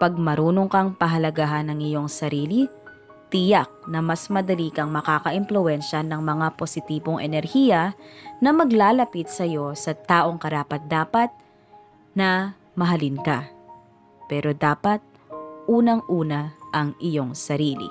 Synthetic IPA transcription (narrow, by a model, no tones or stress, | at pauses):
pɐɡ̚mɐɾuːnoŋkɐŋpɐɦɐlɐɡaːɦɐnɐŋɪjo̞ŋsɐɾiːli | t̪ijak̚nɐmɐsmɐd̪ɐlikɐŋmɐkakɐʔɪmplʊʔɛnʃɐnɐŋmɐŋaposɪt̪iːbo̞ŋʔɛnɛɾhiːjɐnɐmɐɡlaːlɐpit̪̚sɐjo̞sɐt̪aːʔo̞ŋkɐɾaːpɐt̪̚d̪aːpɐt̪̚ | nɐ | mɐɦɐlɪnka | pɛːɾo̞d̪aːpɐt̪̚ | ʔuːnɐŋʔuːnɐʔɐŋʔɪjo̞ŋsɐɾiːlḭ